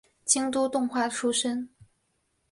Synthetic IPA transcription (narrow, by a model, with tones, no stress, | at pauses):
t͡ɕi˥ŋt̪u˥t̪ʊ˥˧ŋxwa˥˩ʈ͡ʂʰu˥ʂə˥n